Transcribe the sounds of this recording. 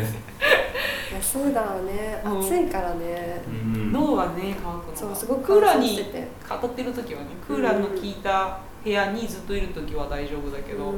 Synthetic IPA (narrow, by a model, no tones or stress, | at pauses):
jasoːd̪ajoneaɯ̃ːsẽŋkaɾane | noːɡane̞kakosoːsɨɡokɯ̟ːɾaɲiet̪ḛ | kʰat̪at̪ːe̞ɾɯ̟t̪o̞kʲiβane̞kʰɯːɾanːo̞kʲiːt̪a | he̞jaɲ̟izɨt̪ːo̞iɾɯ̟t̪o̞kʲiβad̪aiʑo̞ːbɯ̟d̪ake̞d̪o